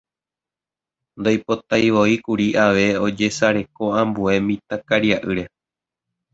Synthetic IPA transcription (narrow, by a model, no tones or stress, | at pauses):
nd̪ojpo̞t̪ajʋo̞ikuɾiʔaʋe̞o̞d͡ʒe̞saɾe̞ko̞ãmbue̞mĩt̪akaɾiaʔɨɾe̞